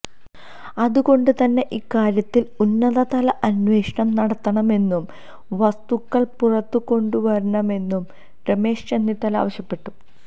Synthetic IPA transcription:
ɐðuko̞ɳɖɨt̪ɐnːe̞ʔikːaːɾjɐt̪ːilunːɐðɐt̪ɐlɐʔɐnʋe̞ːʂɐɳɐmnɐɽɐt̪ːɐɳɐme̞nːum | ʋɐst̪ukːɐɭpurɐt̪ːuko̞ɳɖuʋɐɾɐɳɐme̞nːum | reme̞ːʂt͡ɕe̞nːit̪ːɐla̰ːʋɐɕjɐpːe̞ʈːu

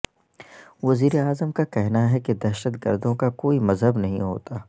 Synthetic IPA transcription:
ʋɐziːɾeaːzəmkakɛɦnaɦɛked̪ɐɾʃət̪ɡə̰ɾd̪õkakoːimɐzɦəbnɐɦĩɦo̰ːt̪aː

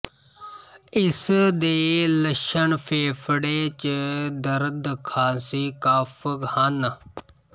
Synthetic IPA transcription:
ɪsd̪eːləʃəɳpʰeːpʰɽeːt͡ʃd̪əɾd̪kʰaːsiːkaːpʰhən

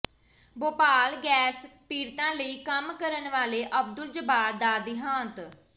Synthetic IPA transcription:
boːpaːlɡɛːspiːɾt̪ãːləiːkəmkəɾənʋaːleːʔəb̚d̪ʊld͡ʒəbaːɾd̪aːd̪iːɦãːt̪

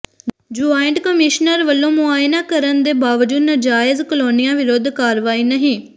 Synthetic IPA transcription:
d͡ʒuːaːɪɳʈkəmɪʃnəɾʋəlːõːmʊaːjnaːkəɾənd̪eːbaːʋəd͡ʒuːd̪nəd͡ʒaːɪzkəloːnɪjãːʋɪɾoːd̪kaːɾʋaːiːnəɦĩː

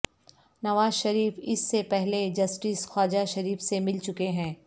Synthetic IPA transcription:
nɐʋaːzʃɐɾiːfɪsːepɛɦled͡ʒɐsʈɪsxaːd͡ʒaʃɐɾiːfsemɪlt͡ʃʊkeɦɛ̃ː

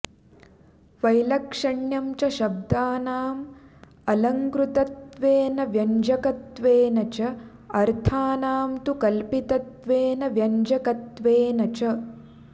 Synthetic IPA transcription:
ʋɐjlɐkʂɐɳjɐmt͡ʃɐʃɐb̚d̪aːnaːm | ɐlɐŋkɾut̪ɐt̪ʋeːnɐʋjɐɲd͡ʒɐkɐt̪ʋeːnɐt͡ʃɐ | ɐɾt̪ʰaːnaːmt̪ukɐlpit̪ɐt̪ʋeːnɐʋjɐɲd͡ʒɐkɐt̪ʋeːnɐt͡ʃɐ

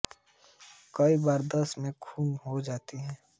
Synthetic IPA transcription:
kɐibaːɾd̪ɐsmẽkʰuːmɦod͡ʒaːt̪iɦɛ̃ː

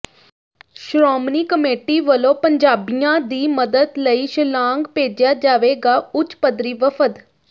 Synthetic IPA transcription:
ʃɾɔːmniːkəmeːʈiːʋəlõːpəɲd͡ʒaːbijãːd̪iːməd̪əd̪ləiːʃəlãːŋɡpeːd͡ʒjaːd͡ʒaːʋeːɡaːʊt͡ʃpəd̪ɾiːʋəpʰəd̪

